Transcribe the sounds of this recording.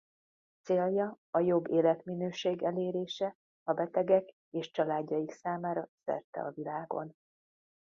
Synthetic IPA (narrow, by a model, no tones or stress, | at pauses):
t̪seːljɒ | ɒjo̞bːeːlɛt̪minøːʃeːɡɛleːɾeːʃɛ | ɒbɛt̪ɛɡɛk | eːʃt͡ʃɒlaːɟːɒjiksaːmaːɾɒsɛ̰rt̪ɛ̰ɒ̰vilaːɡo̞̰n